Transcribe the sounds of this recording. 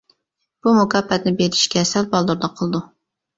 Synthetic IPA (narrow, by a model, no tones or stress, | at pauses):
b̥umukɑpːɛt̪nɪbelɪʃkʲɛsɛlbɑlˠd̪uɾd̪ɑqʰəlˠɨd̪u